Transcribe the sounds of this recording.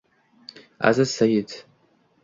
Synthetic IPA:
a̰zɨsajɪtʰ

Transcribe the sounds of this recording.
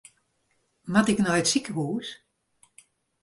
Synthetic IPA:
matɪknɔjətsikəhuːs

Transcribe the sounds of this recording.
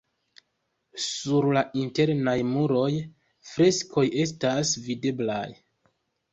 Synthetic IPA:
suɾlaʔinte̞ɾnajmuɾo̞j | fɾe̞skʰo̞je̞stasvide̞blaj

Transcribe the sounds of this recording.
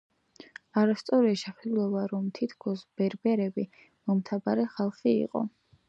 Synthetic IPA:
aɾast̪sʼɔɾiʃɛχɛd̪ulˠɔbaɾɔmt̪ʰit̪ʰkʰɔsb̥ɛɾbɛɾɛbi | mɔmt̪ʰabaɾɛχalˠχiḭqʼɔ̰

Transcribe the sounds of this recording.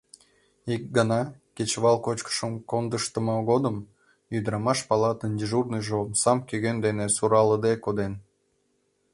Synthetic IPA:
ik̚ɡənɑket͡ɕβɑlˠkot͡ɕkə̥ʃəmkond̪əʃt̪əməɣod̪əm | jyd̪ɾɑmɑʃpɑlɑt̪ənd̪ʲiʒurnɨjʒomsɑmkøɣend̪enesuɾɑləd̪ekod̪en

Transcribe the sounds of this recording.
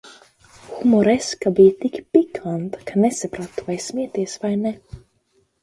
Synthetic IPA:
xumɔɾɛskabit̪ikpikʰant̪kanɛsɛpɾat̪ovajsmeːt̪esvajnɛ

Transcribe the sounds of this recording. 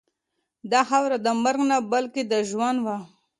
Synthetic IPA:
d̪ɑxawɾad̪əmaɾɡnabalked̪aʒwanwa

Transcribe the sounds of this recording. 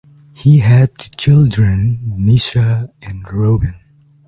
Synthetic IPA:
hiɦæd̪̚ɨt͡ʃʰɪlˠdɹɨ̃nːiʃəɨ̃nɹoʊbɨ̃n

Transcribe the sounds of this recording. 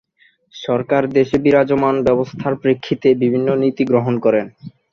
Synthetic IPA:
ʃɔɾkaɾd̪eʃebiɾad͡ʑomanbɛbost̪ʰaɾpɾekʰːit̪ebibʱinːonit̪iɡɾoɦonkɔɾen

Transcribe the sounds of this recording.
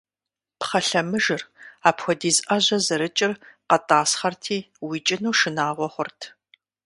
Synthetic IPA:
pχɐɬɐmɨʒɨraːpxʷɔdiːzʔɐʑɐzɨɾɨt͡ʃʼɪrqɐtʼaːsχɐrtʰiː | wiːt͡ʃʼɪnuːʂɨnaːʁʷɔχʷʊrtʰ

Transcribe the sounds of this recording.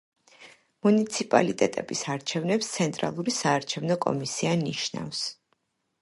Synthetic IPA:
munit̪sʰipʼa̰lit̪ʼɛt̪ʼɛbisaɾt͡ʃʰɛvnɛpst̪sʰɛnt̪ʼɾa̰lˠuɾisaːɾt͡ʃʰɛvnɔkʼɔ̰misianiʃna̰fs

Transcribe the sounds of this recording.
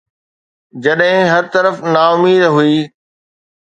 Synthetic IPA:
d͡ʑɐɗɦɪ̃ɦɐɾt̪ɐɾəfnaːʊmiːd̪ɦuiː

